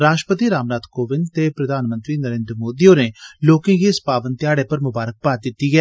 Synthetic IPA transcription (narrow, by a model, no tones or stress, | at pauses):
ɾaːʃʈəpət̪iːɾaːmnaːd̪koːʋɪnt̪eːpɾəd̪ʱaːnmə̃nt̪ɾiːnəɾẽːnd̪ɾəmoːd̪iːõːneːloːkẽːɡiːɪspaːʋənt̪ɪjaːɽeːpəɾmʊbaːɾək̚paːt̪̚d̪ɪt̪ːiːɡɛː